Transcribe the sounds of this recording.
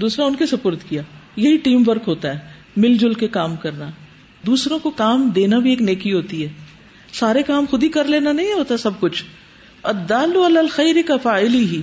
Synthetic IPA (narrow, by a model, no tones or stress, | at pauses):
d̪uːsɾaʊnkesɐpʊːɾt̪kijaːjɐɦiʈiːmʋɐɾkɦoːt̪aɦɛː | mɪld͡ʒʊlkekaːmkɐɾna | d̪uːsɾõkokaːmd̪eːnabʱieːkneːkiɦoːt̪iɦɛː | saːɾekaːmxʊd̪ʱikɐɾleːnanɐɦĩɦɦoːt̪aɛsɐb̚kʊt͡ʃʰ | ɐd̪ːaːlːʊɐlaːlxɐjɾɪkɐfaːɪliɦiː